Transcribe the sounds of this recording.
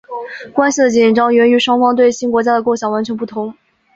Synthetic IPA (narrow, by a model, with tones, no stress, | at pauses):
kwa˥nɕi˨˩d̪ə˩t͡ɕi˨˩nʈ͡ʂɑ˥ŋɥɛ˧˥ny˧˥ʂwɑ˥ŋfɑ˥ŋt̪we˥˩ɪɕi˥nkwɔ˧˥t͡ɕja˥d̪ə˨ko˥˩ʊɕjɑ˨˩ŋwa˧˥nt͡ɕʰɥɛ˧˥npu˥˩t̪ʰʊ˧˥ŋ